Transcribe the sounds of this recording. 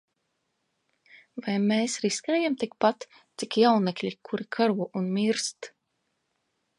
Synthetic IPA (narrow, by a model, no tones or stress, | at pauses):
vajmʲeːsɾiskɛːjamt̪ik̚pat̪ | t̪sikjawnɛklʲikʰuɾikʰaɾuɔʔunmʲiɾst̪